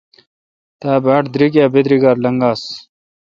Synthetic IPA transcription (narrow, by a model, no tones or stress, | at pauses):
t̪aːbaːʈd̪ɾik̬aːbed̪ɾiɡaːɾlɐŋɡaːs